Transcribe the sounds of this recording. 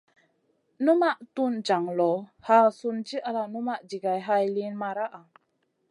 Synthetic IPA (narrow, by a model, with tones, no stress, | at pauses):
nu˦ma˦ʔt̪u˦nd͡ʒa˨ŋlɔ˨ha˧˨su˧nt͡ʃi˦ʔa˧la˧nu˦ma˦ʔd͡ʒi˨ɡa˨jɦa˧jli˧˦nma˧ɾa˦ʔa˨